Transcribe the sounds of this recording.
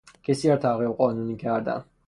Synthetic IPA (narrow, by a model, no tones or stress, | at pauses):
cʰesiæɾt̪ʰæɣibɢɒːnuːniːcʰæɾd̪æ̰n